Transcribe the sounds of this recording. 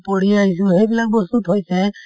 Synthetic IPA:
pɔɽiaɦis̬uɦebilak̚bɔsuʈɦojsɛ

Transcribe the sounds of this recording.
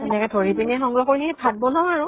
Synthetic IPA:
ɛnɛkɛtʰoɹipinɛxɔŋɡɹɔxoɹiɦɛpʰat̚bɔlɔaɹʊ̃

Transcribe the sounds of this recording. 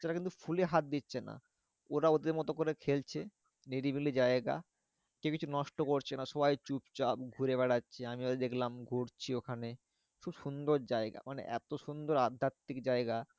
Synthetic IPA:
t͡ɕeɾakint̪ufʰuleɦat̪̚d̪itːɕʰena̰ | oɾaod̪eɾmɔt̪okoɾekʰelt͡ɕʰe | niɖibilid͡ʑaeɡa̰ | kekit͡ɕʰunɔʃʈokoɾt͡ɕʰenaʃɔbajt͡ɕupt͡ɕapɡʱuɾeβɛɽatːɕʰeamiod̪ed̪ekʰlamɡʱoɽt͡ɕʰiokʰane | kʰubʃund̪oɾd͡ʑaeɡa̰manḛʔɛ̰t̪oʃund̪oɾad̪ʱːat̪ːikd͡ʑaeɡa

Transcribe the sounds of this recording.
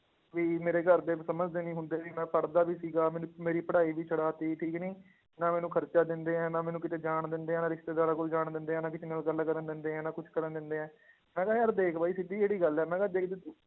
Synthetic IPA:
ʋiːmeːɾeːɡəɾd̪eːsəməd͡ʒd̪eːnĩːɦʊ̃nd̪eːʋimɛ̃ːpəɽd̪aːʋiːsiːɡaːmɛ̃ːnũːmeːɾiːpəɽaːiːʋiːt͡ʃʰəɽaːt̪iːʈʰiːknĩː | nãːmɛːnũːkʰəɾt͡ʃaːd̪ɪnd̪eːɛ̃ːnãːmɛːnũːkɪt̪eːd͡ʒaːɳd̪ɪnd̪eːɦɛ̃ːnãːɾɪʃt̪eːd̪aːɾaːkoːld͡ʒaːɳd̪ɪnd̪eːɦɛ̃ːnãːkɪt͡ʃːaːlɡəlːkəɾənd̪ɪnd̪eːɛ̃ːnãːkʊt͡ʃʰkəɾənd̪ɪnd̪eːɛ̃ː | mɛ̃ːɡajaːɾd̪eːkʰbaːiːsɪd̪iːeːɽiːɡəlɛːmɛ̃ːɡaːd̪eːkʰd̪e

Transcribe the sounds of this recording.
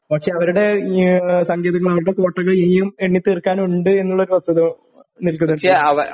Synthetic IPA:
ɐkʂe̞ɐʋɐɾuɽe̞ | sɐŋɡeːðɐŋːɐɭɐʋɐɾuɽe̞ko̞ːʈːɐɣɐɭiːjumeɳːit̪ːiːrkːaːnuɳɖɨe̞nːuɭːɐoɾuʋɐst̪ːɐðu | nilkunːɐeɐʋɐ

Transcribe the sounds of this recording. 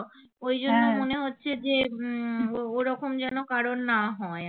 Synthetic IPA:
ojd͡ʑonːomoneɦotːɕʰed͡ʑe | oɾɔkomd͡ʑɛnokaɾonːaɦɔe

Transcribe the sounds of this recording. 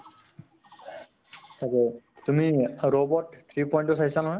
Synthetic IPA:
sakɛ | t̪umiɹobɔʈt̪ʰɹipɔjnʈupʰasanɔɦɔj

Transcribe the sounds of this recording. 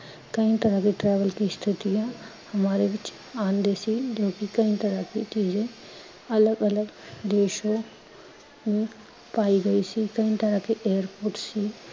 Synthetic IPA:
kɐĩt̪əɾakiʈɾɛːʋəlkist̪ʰɪt̪ijã | hɐmaːɾeʋɪt͡ʃ | aːnd̪esid͡ʒoːkikɐĩt̪əɾakit͡ʃiːzẽ | ɐləɡələɡd̪eːʃõ | mẽ | paːiɡɐisikɐĩt̪əɾakiʔeːəɾpoːɾʈsiː

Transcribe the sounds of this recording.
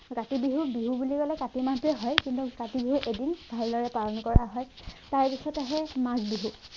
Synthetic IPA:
katibiɦubiɦubuliɡɔlɛkatimatuɛɦɔjkintukatibiɦuʔedinb̥ʱaɹlɔɹɛpalɔnkɔɹaɦɔjtaɹpisɔtaɦɛmaɡbiɦu

